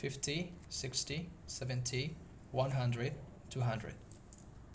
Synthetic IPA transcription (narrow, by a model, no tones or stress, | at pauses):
fɪftʰisɪkstisɛvə̃ntʰi | wʌ̃nɦʌ̃ndɹɨd̚ | tʰuɦãndɹɨ̰d̥